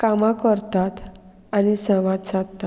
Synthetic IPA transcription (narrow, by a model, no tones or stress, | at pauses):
kamakəɾt̪at̪ | anisəʋad̪sat̪ːa